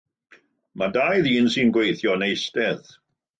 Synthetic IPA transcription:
madajðiːnsɨnɡwejθjɔnejstɛð

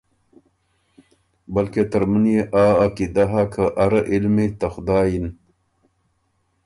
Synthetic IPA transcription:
bɐlket̪əɾmənjeʔaːakid̪aɦakʰəʔaɾəʔilmet̪ɐxʊd̪aːjin

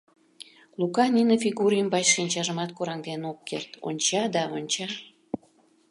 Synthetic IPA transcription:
lukɑninəfʲiɣuɾjəmbɑt͡ɕʃinʲt͡ɕɑʒəmɑt̪̚kuɾɑŋd̪enokːḛrt̪o̰nʲt͡ɕɑd̪ɑonʲt͡ɕɑ

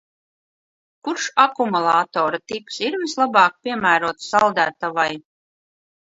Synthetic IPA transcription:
kuɾʃakumulˠɑːt̪ɔːɾat̪iksiɾvislˠabɑːk̚pʲiɛmæːɾuɔt̪salˠd̪æːt̪avaj

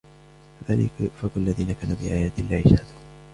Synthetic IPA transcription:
kaðaːlɪ̰kfaqalːaðiːnakaːnubɪʔaːjaːt̪ɪlːaʕɪʃad̪uːn

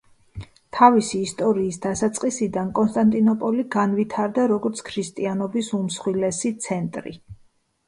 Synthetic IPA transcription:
t̪ʰavisiːst̪ʼɔɾiːsd̪asat̪sʼqʼisid̪ankʼɔnst̪ʼant̪ʼinɔpʼɔliɡanvit̪ʰaɾd̪aɾɔɡɔɾt̪sʰkʰɾist̪ʼianɔbisumsχwilɛsit̪sʰɛnt̪ʼɾḭ

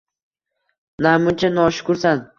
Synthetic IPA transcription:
namʊnt͡ʃʰanɒʃʊ̥kʊɾsan

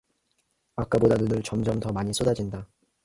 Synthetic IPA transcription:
ak͈abodadɯdɯɭt͡ɕʌmd͡ʑʌmtʌmaɲis͈odad͡ʑinda

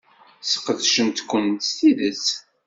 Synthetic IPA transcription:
sə̥qːəðʃənt̪kʷːənt̪st̪iðəs

